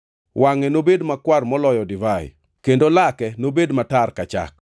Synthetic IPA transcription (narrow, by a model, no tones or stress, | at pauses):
wʔaŋɛnobedmakwarmɔlɔjɔdɪvaj̰ | kendolakɛnobedmatarkat͡ʃa̰k̚